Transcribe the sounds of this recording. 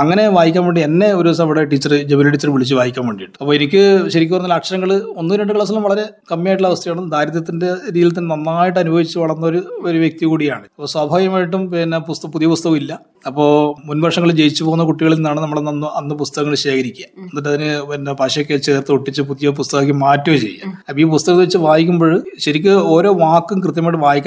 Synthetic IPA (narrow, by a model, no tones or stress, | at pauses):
ɐŋːɐne̞ʋaːjikʲːaːmpeɳɖie̞nːe̞o̞ɾusɐʋiɽeʈiːt͡ɕːɐrɨd͡ʑeblɐʈiːt͡ɕːɐrɨʋiɭit͡ɕːɨʋaːjikʲːaːmpeɳɖijʈːɨ̥ɐpːoːenikʲːɨɕɐɾikʲːorɐnːɐlaːkʂɐɾɐŋːɐɭɨo̞nːɨɾeɳɖɨɡɐɭɐs̬ɐlɐmʋɐɭɐɾe̞ | kɐmːjaːjʈ̬ːɭɐʋɐst̪ʰɐjaːɳud̪ʱaːɾɐðɐt̪ːinde̞ɾiːlɐt̪̬ːinnɐnːaːjiʈ̬ːɨɐnubʱɐʋit͡ɕːɨʋɐɭɐrnːɐo̞ɾuoɾuʋjek̚t̪iɣuːɽijaːɳɨɐpːoːswaːbʱaːjɐmaːjiʈ̬ːumpenːepust̪puðijɐpust̪ɐɣɐmilːɐ | ɐpːo̞ːmunbʱɐʂɐŋːɐɭd͡ʑejit͡ɕːupoɣunːɐkuʈːiɣɐɭinːaːɳɨnɐmːɐɭnɐnːɐnːɨp̬ust̪ɐɣɐŋːɐɭɕe̞ːkʰɐɾikʲːujɐenːɐt̬ːɐðinɨenːepɐːɕɐjokːet͡ɕeːðrt̪ːɨoʈːit͡ɕːɨp̬uðijop̬ust̪ɐɣɐk̬ʲːɨmaːtːɐʋɐt͡ɕe̞̰jːa̰ɐpiːp̬ust̪ɐɣɐnʋɐt͡ɕːɨʋaːjikʲːumbo̞ːɭɕɐɾikʲːɨo̞ːɾo̞ːʋaːkːumkrɨt̪̬jɐmaːjʈːɨʋaːjikʲː